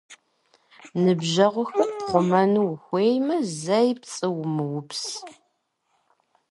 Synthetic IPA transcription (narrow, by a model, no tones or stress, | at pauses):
nɨbʒɐʁʷʊxɐʁʷʊmɐnuwxʷeːjmɐzɐjpt͡sʼɨwmɨwʊps